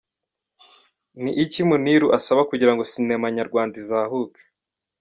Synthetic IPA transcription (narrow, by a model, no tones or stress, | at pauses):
niʔicimuniɾuʔasaβakuɟiɾaŋɡosinemaɲaɾɡwaːndizaːhuke̥